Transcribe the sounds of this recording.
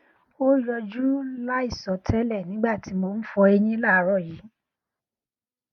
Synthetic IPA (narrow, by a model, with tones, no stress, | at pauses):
o˦jɔ˧d͡ʒu˦la˦i˦˨sɔ˨˦tʰɛ˦lɛ˦˨nĩ˨˦ɡ͡ba˦˨ti˨˦mo˧˦n̩˦fɔ˧e˧ɲĩ˦la˦˨˦ɾɔ˦˨ji˨˦